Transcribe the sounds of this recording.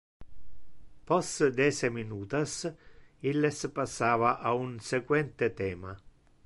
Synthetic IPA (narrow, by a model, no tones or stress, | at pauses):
pɔstd̪ɛseminuːt̪as | ilːespasːaːvaʔaunsekwɛnt̪et̪ɛːma